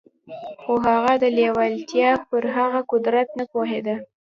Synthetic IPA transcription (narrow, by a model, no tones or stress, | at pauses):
xoɦaɣad̪əlewalt̪jɑpəɾɦaɣakʊd̪ɾat̪napoɦed̪a